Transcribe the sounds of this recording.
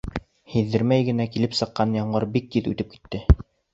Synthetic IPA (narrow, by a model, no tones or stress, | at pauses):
hiðːɘ̆ɾmæjɡɘ̆nækilɘpsɤ̆qːɑnjɑɴɢɤɾbik̚t̪iðʉ̰t̪ɘp̚ki̥t̪ːɘ